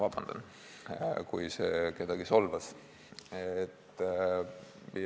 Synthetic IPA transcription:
vɑb̥ɑnd̪̥ɑ̰n | kujseke̞d̪̥ɑɡ̥iso̞lvɑs | et̪ː | mi

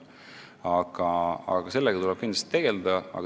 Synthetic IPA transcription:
ɑɡ̥ɑɑ̰ɡɑse̞lːeɡɑt̪ulɛb̥̚kind̪lɑst̪i̥t̪eɡ̥e̞ld̪ɑɑ̰ɡ̥

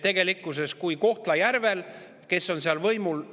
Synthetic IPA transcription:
t̪e̞ɡ̥e̞likːˑuse̞skujko̞ht̪lɑjærve̞l | ke̞sːo̞nseɑlvɤjmul

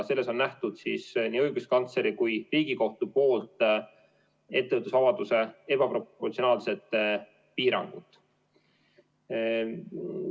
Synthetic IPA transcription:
se̞lːe̞so̞nːæht̪ud̪̥sisniːɤjɡ̥uskɑnt̪se̞ɾikujriːɡ̥iko̞ht̪upo̞ːlt̪ˑ | e̞t̪ːe̞vət̪ːusɑvɑd̪use̞e̞b̥ɑpro̞pːort̪sio̞nɑːlse̞t̪ˑː | piːɾɑ̰ŋɡ̥ut̪ːˑ

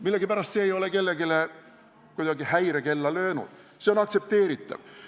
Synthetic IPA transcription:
milːeɡipæɾɑst̪se̞ːjo̞leke̞lːe̞ɡile | kujd̪̥ɑɡihæjɾeke̞lːɑlø̞ːnṵd̪̥ | se̞o̞nɑkt̪se̞p̚t̪e̞ːɾit̪ːˑɑ̰v̥

